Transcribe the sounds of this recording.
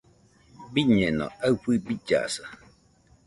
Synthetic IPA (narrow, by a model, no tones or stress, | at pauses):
biɲɛ̃nõ̰awɸɨbid͡ʒa̰sa